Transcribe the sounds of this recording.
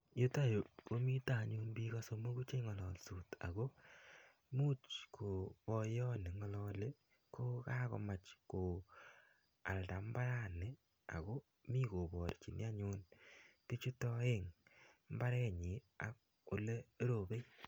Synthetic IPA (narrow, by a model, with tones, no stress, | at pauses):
jo˦ta˦˨jo˨po˦mi˦ta˨ɲu˧nbi˦ka˦so˧mo˦ku˦t͡ʃe˦ŋɔ˨lɔ˨lsu˨ta̰˨ɣo˦ | mu˦t͡ʃkʰo˨pɔ˧jɔ˦ne˨ŋɔ˧lɔː˧le˦ | kʰo˦ka˦kɔ̰˨ma˨t͡ʃko˨ | a̰˨lta˨m˦ba˦ɾa˦ne˨ | a̰˨ɣo˦ | mi˦ko˨bɔ˨ɾt͡ʃi˨nja˦ɲo˧nti˦t͡ʃu˦tɔ˦e˦ŋm˦ba˦ɾɛ˦ɲi˨˦ | a˨k̚ | o˨le˦ɾo˨be˦j